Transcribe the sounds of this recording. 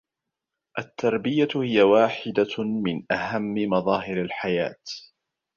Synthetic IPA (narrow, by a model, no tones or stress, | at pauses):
ʔat̪ːɑɾˤbɪjahɪjawaːħɪd̪amɪnʔahamːɪmɑðˤɑːɦɪɾalħaja̰ːt̪